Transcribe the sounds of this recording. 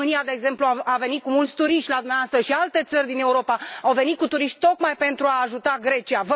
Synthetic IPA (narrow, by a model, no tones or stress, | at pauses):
ɨniad̪e̞eːɡze̞mpluaave̞nit̪̚kumult̪sʲt̪uɾiʃt̪ʲlad̪umneaoast̪ɾəʃialt̪e̞t̪sərʲd̪ine̞uɾo̞paawve̞nit̪kut̪uɾiʃt̪̚ʲt̪o̞kmajpe̞nt̪ɾuaːʒut̪aɡɾe̞t͡ʃiavə